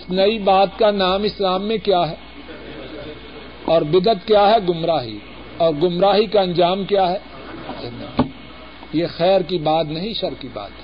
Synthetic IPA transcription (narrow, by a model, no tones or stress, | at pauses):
ɪsnɐibaːt̪kanaːmɪslaːmːẽkjaːɦɛː | ɔːɾbɪd̪ət̪kjaːɦɛɡʊmɾaːɦḭ | ɔːɾɡʊmɾaːɦikaɐ̃nd͡ʒaːmkjaːɦɛː | n | jexɛːɾkibaːt̪nɐɦĩʃɐɾkiba̰ːt̪ɦɛː